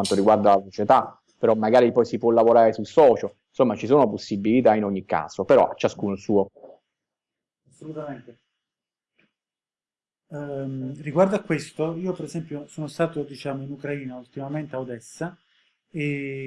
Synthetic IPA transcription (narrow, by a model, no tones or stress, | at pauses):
ant̪oɾiɡward̪alasot͡ʃet̪a | peɾɔmːaɡaːɾipɔjsipwɔlːavoɾaːɾesulsɔːt͡ʃoinsomːat͡ʃisoːnoposːibilit̪ainoɲːikːa̰ːz̥opeɾɔ̰at͡ʃːaskuːnosuːo | asːolut̪ament̪e | mriɡward̪oakːwest̪oiːopeɾezɛmpjosoːnost̪aːt̪od̪it͡ʃaːmoinukɾaiːnault̪imament̪eawd̪ɛsːa | e